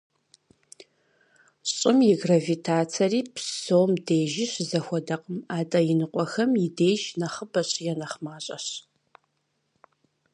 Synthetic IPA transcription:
ɕʼɪmjɪɡravitʰaːt͡sʰɐriːpʰsoːmdeːʒɪɕzɐxʷɔdɐqʼəmaːtʼɐjɪnɨqʷʼɔxɐmjɪdeːʒnɐχəbɐɕʼjɛnɐχmaːɕʼɐ̰ɕ

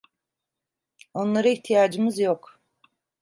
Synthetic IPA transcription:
o̞nlˠaɾɯiçt̪ʰijaːd͡ʒɯmɯzjok

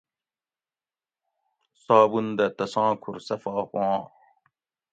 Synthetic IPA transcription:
saːbund̪ɐt̪ɐsãːkʰuɾsɐfaːxwɑ̃ː

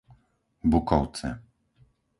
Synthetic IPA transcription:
bukɔwt̪sɛ̰

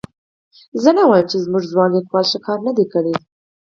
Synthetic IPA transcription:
zənawɑjəmt͡ʃezmuʐzwɑnlixwɑlʃəkʰɑɾnad̪ekəɽi

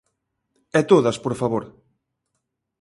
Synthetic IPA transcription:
ɛt̪oðɐspoɾfaβoɾ

